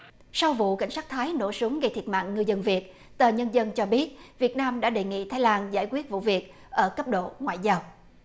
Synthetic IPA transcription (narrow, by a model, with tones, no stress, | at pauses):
sa˧wvṵ˧˨ka˧˩jŋ̟saː˦˥k̚t̪ʰaː˨˦jno̰˧˥˩su˨˦əŋɣə˧jt̪ʰi˨˩ət̚ma̰ː˧˨ŋːɨ˧zə˧nvi˨˩ət̚ | t̪əː˨˩ɲə˧nzə˧nt͡ɕɔ˧ɓi˦˥ət̚vi˨˩ət̚naː˧mɗa̰ː˧˥ɗe˨˩ŋḭ˧˨t̪ʰaː˨˦jlaː˧nzaː˧˩jkwi˦˥ət̚vṵ˧˨vi˨˩ət̚ | ʔəː˧˩kə˦˥p̚ɗo̰˧˨ŋwa̰ː˧˨jzaː˧w